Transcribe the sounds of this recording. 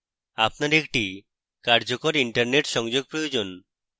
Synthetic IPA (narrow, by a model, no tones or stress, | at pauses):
apnaɾek̚ʈi | kaɾd͡ʑokoɾiɳʈaɾneʈʃɔŋd͡ʑoɡ̚pɾojod͡ʑon